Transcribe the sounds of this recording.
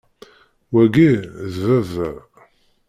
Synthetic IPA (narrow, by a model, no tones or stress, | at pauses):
wæɡiðvævːæ